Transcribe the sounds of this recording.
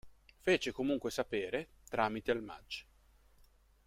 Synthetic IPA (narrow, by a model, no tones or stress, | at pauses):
feːt͡ʃekomuŋkwesapeːɾet̪ɾaːmit̪ealma̰d͡ʒː